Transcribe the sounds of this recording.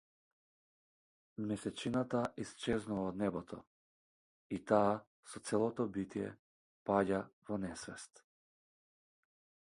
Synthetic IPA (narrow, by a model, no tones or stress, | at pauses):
mɛsɛt͡ʃinat̪aʔist͡ʃɛznuvaɔd̪nɛbɔt̪ʰɔ̰ | it̪aː | sɔt̪sɛlˠɔt̪ɔbit̪ijɛ̰ | paɟavɔnɛsvɛst̪